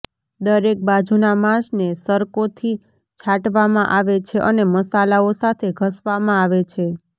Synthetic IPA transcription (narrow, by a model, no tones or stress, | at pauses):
d̪əɾek̚bad͡ʒʱunamãsnesəɾkot̪ʰi | t͡ʃʰaʈʋamãʔaʋet͡ʃʰeʔəneməsalaosat̪ʰeɡʱəsʋamãaʋet͡ʃʰe